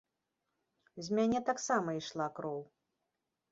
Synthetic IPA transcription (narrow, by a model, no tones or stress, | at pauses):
zʲmʲanʲɛt̪aksamɐiʂlˠakɾɔw